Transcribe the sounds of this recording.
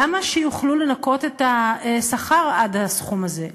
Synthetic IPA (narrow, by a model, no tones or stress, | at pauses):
amaʃejuχlule̞nako̞t̪et̪aesaχaʁadasχumaze̞